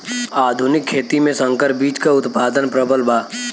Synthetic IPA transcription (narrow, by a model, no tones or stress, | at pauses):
aːd̪ʱʊnɪkʰːeːt̪imẽsə̃ŋkəɾbiːt͡ʃkaʊt̪paːd̪ənpɾəbəlbʱaː